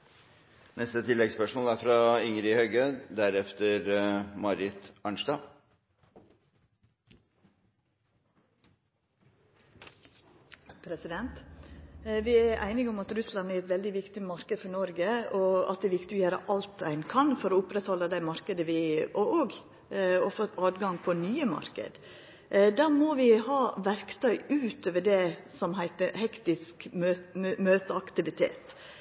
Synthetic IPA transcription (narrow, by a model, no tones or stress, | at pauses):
nɛst̪ət̪ʰɪlːɛɡspœʂmoːlæɾfɾɑɪŋɾɪhøɡød̪d̪æɾɛft̪əɾmɑɾɪt̪ɑɳʂd̪ɑː | pʰɾɛsɪd̪ɛnt̪ | ʋɪæɾʔæ̰ɪnɪɡʊmɑt̪ɾʉslɑnæɾɛt̪ʋɛld̪ɪʋɪkt̪ɪmɑɾkəd̪fɔɳɔɾɡəɔɑt̪̚d̪ɛɾʋɪkt̪ɪʋɪjøːɾə̰ʔɑlt̪æɪnkʰɑnfɔɾɔʊpɾɛt̪hɔlːəd̪æɪmɑɾkəd̪əʋɪɛɔʔoːɡ | ɔfot̪ɑːd̪ɡɑŋpʰɔnyːəmɑ̰ɾkə̰d̪ | d̪æːmoʋɪhɑːʋæɾkt̪ʰœʏʉːt̪oːʋəɖɛsɔmɦæɪt̪əɾhɛkt̪ɪskː | møːt̪əɑkt̪ɪʋɪt̪ʰḛːt̪